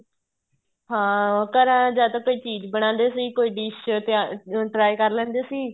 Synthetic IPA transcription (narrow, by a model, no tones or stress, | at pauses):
ɦãːkəɾãːd͡ʒaːt̪ãːkoːiːt͡ʃiːd͡ʒbəɽ̃ãːnd̪eːsiːkoːiːɖiːʃt̪aʈɾaːikəɾlɛ̃ːnd̪eːsiː